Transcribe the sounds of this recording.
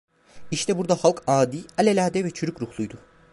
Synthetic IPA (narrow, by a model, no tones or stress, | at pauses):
iʃt̪ʰɛbuɾd̪ahalˠkʰaːd̪iːalʲelʲaːd̪ɛvɛt͡ʃʰyɾycɾuhlˠujd̪ʊ